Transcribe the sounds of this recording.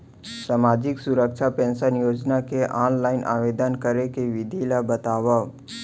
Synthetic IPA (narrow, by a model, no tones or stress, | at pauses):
saːmaːd͡ʒɪksʊɾəkʃʰapẽːnsənjoːd͡ʒnakeʔaːnlaːɪnʔa̰ːʋeːd̪ənkəɾekeʋɪd̪ʱilabət̪aːʋa